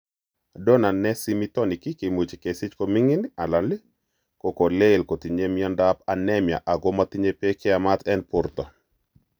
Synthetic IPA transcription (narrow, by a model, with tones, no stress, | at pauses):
dɔ˦na˨nɛ˦si˦mi˦t̪ɔ˦ni˨ki˦ke˨mu˨t͡ʃi˨ke˨sɪ˦t͡ʃko˦mi˦ŋi˦na˨la˨nli˦ | ko˨ko˨le˦˨lko˨t̪i˨ɲe˦mi˦ɔ˦nda˦pa˨nɛ˦mja̰˨ʔa˨ɡɔ˦mat̪i˦ɲe˦pe˦ke˦a˨ma˦t̪ɛ˦npʊ˦ɾt̪ɔ˨